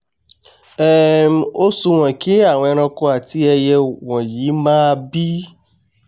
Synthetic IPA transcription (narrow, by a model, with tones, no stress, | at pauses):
ɛ˦m˨o˦sũ˧w̃ɔ̃˨ke˨˦a˦˨wɔ̃˧ɛ˧ɾ̃ɔ̃˧ko˧a˨ti˧˦ɛ˧jɛ˧w̃ɔ̃˨jiː˨˦mãː˦˧bi˦